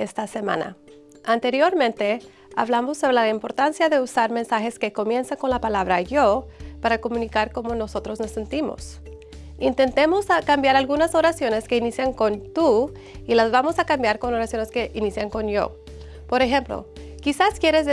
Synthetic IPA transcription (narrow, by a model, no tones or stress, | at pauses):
est̪ase̞mã̰na̰ | ant̪e̞ɾjo̞ɾmẽ̞nt̪e̞ | a̰βlamo̞sːo̞βɾelaaimpo̞ɾt̪ansjaðe̞usaɾme̞nsaxe̞ske̞ko̞mje̞nsaŋko̞nlapalaβɾaʝopaɾako̞mũnikaɾko̞mo̞no̞so̞t̪ɾo̞zno̞se̞nt̪imo̞̰s | int̪e̞nt̪e̞mo̞skambjaɾalɣunaso̞ɾasjo̞ne̞ske̞inisjaŋko̞nt̪u | ilazβamo̞sakambjaɾko̞no̞ɾasjo̞neske̞ʔinisjaŋko̞njo̞̰ | po̞ɾe̞xe̞mplo̰ | kisaskje̞ɾeze